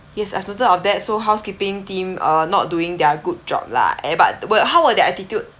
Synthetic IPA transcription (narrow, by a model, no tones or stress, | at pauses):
jɛsa̰jvnotədɔfdɛt̚soɦaʊskipɪ̃ŋtĩmʔənɔ̰t̚duɪ̃ŋdɛɡud̚d͡ʒɔ̰b̚la̰ɛ̰̃ba̰t̚wəɦawwədɛtɛtitjud̚